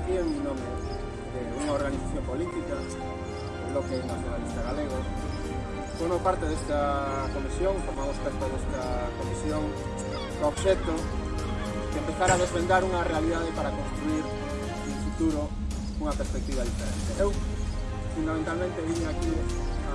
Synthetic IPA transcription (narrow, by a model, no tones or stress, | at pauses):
kieminome | d̪euŋaoɾɣaniθaθjompolit̪ikɐ | lokenaθjonalist̪aɣaleɣ̞o | foɾmopaɾt̪eðest̪ɐkomisjoŋfomamosp̪ɾest̪oðest̪ɐkomisjoŋ | d̪oβʃɛt̪o | d̪empeθaɾaðezβend̪aɾuŋɐrealiðað̞epaɾakonst̪ɾuiɾ | uɱfut̪uɾo | uŋɐpeɾspek̚t̪iβaðifeɾḛnt̪eʔew | fund̪amẽnt̪almẽnt̪eβiɲeakis